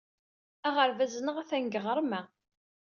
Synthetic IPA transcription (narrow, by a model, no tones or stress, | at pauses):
æʁəɾvæznəʁæθæŋɡəʁəɾˤmæ